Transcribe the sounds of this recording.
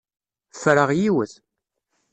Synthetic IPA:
fɾəʁjiwəθ

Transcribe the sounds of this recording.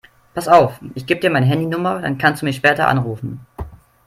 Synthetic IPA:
pʰasaʊfʔɪçɡ̥iːbədiːɐmaɪnəɦɛndinʊmɐda̰nkʰanstd̥uːmiːɐʃpɛːtɐʔa̰nʁuːfn̩

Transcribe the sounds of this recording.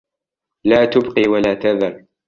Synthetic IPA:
laːt̪ʊbqiːwalaːt̪aðɑrˤ

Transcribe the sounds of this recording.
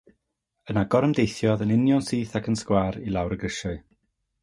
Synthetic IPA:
ənaɡ̥ɔɾəmdejθjɔðənɪnjɔnsiːθakʰənskwaːɾilˠawɾəɡrɪʃɔɨ

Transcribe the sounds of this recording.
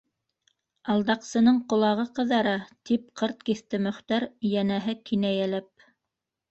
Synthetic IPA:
ɑlˠd̪ɑqsɤ̆nɤɴqŏlˠɑʁɤqɤ̆ðɑɾɑt̪ip̚qʰɤɾt̪̚kiθt̪ɘmɵ̆χt̪ɑɾjænæɦɘkinæjælæp̚

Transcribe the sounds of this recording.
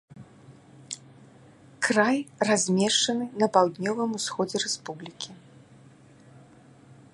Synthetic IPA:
krajrazʲmʲɛʂt͡ʂɐnɨnɐpawd̪ʲnʲɔvɨmusxɔd͡zʲɛɾɛspublʲikʲi

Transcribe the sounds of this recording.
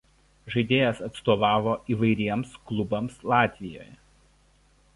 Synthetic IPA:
ʒɐɪd̪ʲeːjɛsɐt̪st̪oːʋɑːʋoːʔiːʋɐɪɾʲiɛmsklˠʊbɐmslˠɑːt̪ʲʋʲɪjo̰ːjɛ

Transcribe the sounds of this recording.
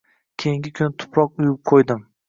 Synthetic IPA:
kʲʰejɪŋɡʲɪkʲʰʊnɪt̪ʰʊ̥pʰɾɒqʊjʊp̚qʰojd̪ɪm

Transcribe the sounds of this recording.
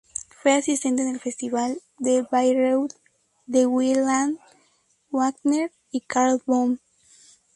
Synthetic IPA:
fweasist̪ent̪enelfest̪iβal | d̪ebajɾowd̪ | d̪ewilãn | waɡneɾ | ikaɾlbõm

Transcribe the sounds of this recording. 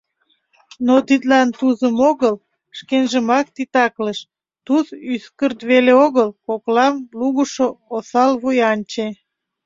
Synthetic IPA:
not̪it̪lɑnt̪uzəmoɣəl | ʃkenʒəmɑk̚t̪it̪ɑkləʃ | t̪uzyskərt̪βeleoɣəlkoklɑmluɣuʃoosɑlβujɑnʲt͡ɕe

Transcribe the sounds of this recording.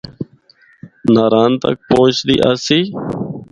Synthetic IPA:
naːɾaːnt̪ə̰k̚põːt͡ʃd̪ḭːʔasiː

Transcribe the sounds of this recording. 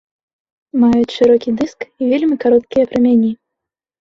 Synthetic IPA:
majut͡sʲʂɨɾɔkʲid̪ɨskivʲelʲmʲikaɾɔt̪̚kʲijɐpɾɨmʲanʲi

